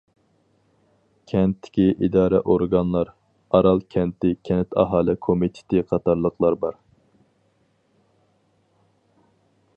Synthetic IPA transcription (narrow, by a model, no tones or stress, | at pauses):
kʲʰɛnt̪ʰːɪ̥kʲiʔid̪ɑːɾɛʔoɾɡɑnlˠɑɾ | ɑɾɑlˠkʲʰɛnt̪ɪkʲʰɛnɪt̪ʰɑ̰ɦɑːlˠɪkʰomit̪ʰɪ̥t̪ɪqʰɑt̪ɑɾlˠəqlˠɑɾbɑɾ